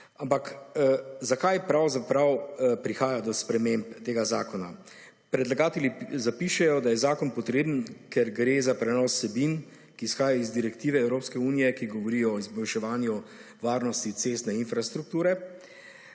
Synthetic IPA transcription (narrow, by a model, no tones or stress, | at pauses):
ampak | zakajpɾawzapɾawpɾixaːjad̪ɔspɾɛmempt̪eːɡazaːkɔna̰ | pɾɛd̪laɡaːt̪ɛlizapiʃɛjɔd̪ajɛzaːkɔnpɔt̪ɾeːbənkɛɾɡɾezapɾɛnɔsːɛbin | kiːsxaːjajɔizd̪iɾɛkt̪iːʋɛɛwɾopskɛuːnijɛkiɡɔʋɔɾiɔːizbɔlʃɛʋaːnjuɔ | ʋaːɾnɔst̪it̪seːst̪nɛinfɾast̪ɾuk̚t̪uːɾɛ